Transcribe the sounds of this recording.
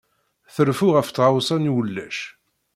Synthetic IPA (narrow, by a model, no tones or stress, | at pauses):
θəɾfuʁəft̪ːʁawsɑnwəlːæ̰ʃ